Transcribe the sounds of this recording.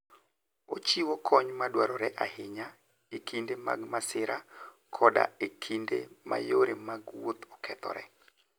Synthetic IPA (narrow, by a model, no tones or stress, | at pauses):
ot͡ʃiwokʰɔɲmadwaɾɔɾɛʔahɪɲa | ekʰindema̰ɡmasɪɾa | kʰɔda̰ekʰindḛma̰joɾemaɡwot̪ɔkʰɛt̪ɔ̰ɾɛ̰